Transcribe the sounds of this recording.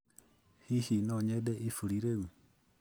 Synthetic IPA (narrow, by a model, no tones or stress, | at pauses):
hihinoɲedeʔifuɾiɾeu